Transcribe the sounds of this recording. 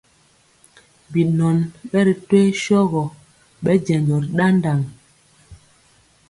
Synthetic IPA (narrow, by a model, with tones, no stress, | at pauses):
bi˨nɔ˨nɓɛ˦ɾi˨twe˦ʃɔ˦ɣɔ˨ | ɓɛ˦d͡ʒɛ˨nd͡ʒɔ˨ɾɗa˦n˦da˨ŋ